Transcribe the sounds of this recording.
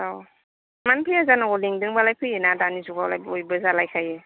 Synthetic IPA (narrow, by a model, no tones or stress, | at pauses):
aw | manpʰɾijazanaɡɔliŋdɯŋbalajpʰɯjenadanizuɡawlajbojbəzalajkʰaje